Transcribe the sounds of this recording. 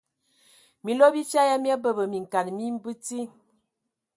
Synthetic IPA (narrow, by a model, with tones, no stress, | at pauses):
mi˨lo˦bi˦t͡ʃa˦ja˦mja˦bə˦˨bə˨mi˨ŋ̩˨ka˨nmi˦m˦bɨ˦ti˦